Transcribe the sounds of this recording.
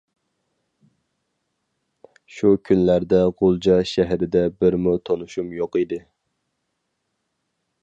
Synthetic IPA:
ʃukʲʰynlæɾd̪ɛʁolˠd͡ʒɑʃæɦɾɪd̪ɛbɪɾmut̪ʰonuʃumjoqid̪ɪ

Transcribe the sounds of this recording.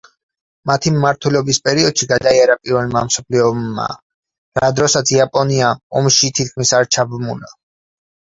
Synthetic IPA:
mat̪ʰimmaɾt̪ʰwɛlɛɔbispʼɛɾiɔd̪̥ʃiɡad̪aiaɾapʼiɾvɛlmamsɔpʰliɔmːa̰ | ɾad̪ɾɔsat̪sʰiapʼɔniaɔmʃit̪ʰit̪̚kʰmisaɾt͡ʃʰabmuna

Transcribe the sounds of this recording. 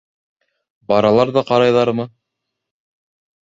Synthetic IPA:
bɑɾɑlˠɑɾðɑqɑɾɑjðɑɾɤmɤ

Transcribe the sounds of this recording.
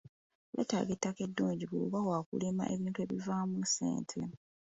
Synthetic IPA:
βḛta̰ɡetːake̞dːuːɲɟiβuβawaːkulema̰ʔe̞βiːntue̞ːβivaːmuse̞̰ːntʰḛ

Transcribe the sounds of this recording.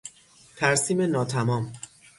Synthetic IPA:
t̪ʰæɾsiːme̞nɒːt̪ʰæmɒːm

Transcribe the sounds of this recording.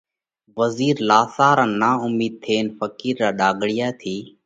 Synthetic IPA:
ʋəziːɾlaːsaːɾaːnaːʊmiːd̪̚t̪ʰeːnfəkiːɾːaːɗaːɡʱɽɪjaːt̪ʰiː

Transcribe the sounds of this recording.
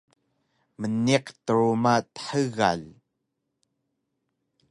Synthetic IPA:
məniqt̪əɹumat̪ə̥ħəɣa̰l

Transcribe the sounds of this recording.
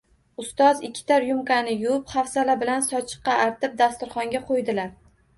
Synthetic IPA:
ʊst̪ɒzɪkʲʰːɪ̥t̪ʰaɾjʊmkanɪjʊpχafsalabɪlansɒt͡ʃʰɨ̥qːɑaɾt̪ɪp̚d̪ast̪ʊɾχɒŋɡʲaqʰojd̪ɪlaɾ

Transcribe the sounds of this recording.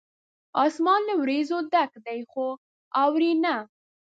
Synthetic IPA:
ɑsmɑnləwɾezod̪akd̪ajxo | ɑwɾina

